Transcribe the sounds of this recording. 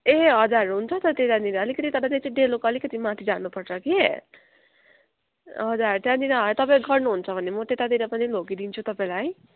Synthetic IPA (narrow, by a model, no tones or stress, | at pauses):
eɦʌd͡zaɾuɦunt͡sʰʌt̪ʌt̪et̪ad̪iɾaʌlikʌt̪it̪ʌɾat̪et͡sɖelokʌlikʌt̪imat̪ʰid͡zanupʌrt͡sʰʌke | ɦʌd͡zaɾut̪ead̪inaɦʌt̪ʌpaĩɡʌrnuɦunt͡sʰʌbʱʌnemʌt̪et̪ad̪iɾʌpʌnilokid̪int͡sʰut̪ʌpaĩlaj